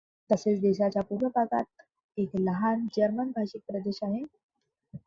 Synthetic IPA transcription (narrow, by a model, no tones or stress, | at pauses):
t̪əset͡sd̪eɕat͡ɕjapuɾʋəbʱaɡa̰t̪̚ | ekləɦand͡ʑəɾmənbʱaɕik̚pɾəd̪eɕaɦe